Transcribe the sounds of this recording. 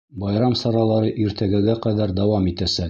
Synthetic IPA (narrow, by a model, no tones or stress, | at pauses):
bɒjɾɑmsɑɾɑlˠɑɾɤʔiɾt̪ʰæɡæɡæqæðæɾd̪ɒwɑmit̪æsæk